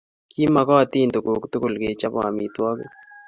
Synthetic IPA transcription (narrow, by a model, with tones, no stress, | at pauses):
ki˦ma˨kɔ˦˨t̪i˦˨ndo˨ko˨ktu˦kʊ˨lke˨t͡ʃa˦bɔ̰˨a̰˨mi˨twɔ˦ko̰˦